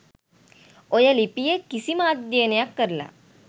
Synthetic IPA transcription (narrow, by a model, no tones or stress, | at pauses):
ojəlipijekisimaːt̪d̪iənəjakːəɾla̰